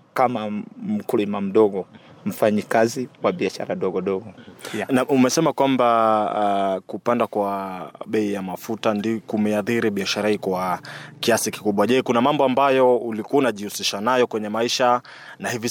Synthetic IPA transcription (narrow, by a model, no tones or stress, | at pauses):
kamam̩kulimam̩ɗɔɡɔm̩faɲikaziwaɓiaʃa̰ɾaɗɔɠɔɗɔɡɔnaʔumɛsɛmakwamba | kupandakwaɓɛijamafutandikumɛaθiɾiɓiaʃaɾahikwakiasiki̥kuɓwaʄɛkunamambɔambajɔulikuaunaʄihusiʃanajɔkwɛɲɛmaiʃa | nahivi